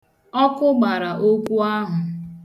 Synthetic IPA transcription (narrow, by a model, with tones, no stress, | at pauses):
ɔ˦kʊ˦ɡ͡ba˨ɾa˨ʔo˦kʷu˦a˦ɦʊ˨